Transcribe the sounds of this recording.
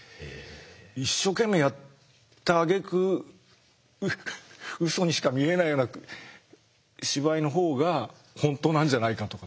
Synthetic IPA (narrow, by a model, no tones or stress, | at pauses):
iɕːo̞ke̞mːe̞jat̪ː | aːɡe̞kɯ̟ | ɯso̞ɲ̟iɕi̥kamʲie̞naijo̞ːna | ɕiβaino̞ɦo̞ːɡa | hõ̞nt̪o̞ːnãɲ̟d͡ʑanaikat̪o̞ka